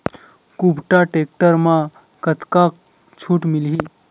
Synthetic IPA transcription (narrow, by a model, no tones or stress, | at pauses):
kubʱʈaʈek̚ʈəɾmã | kət̪kak | t͡ɕʰuːʈmilɦiː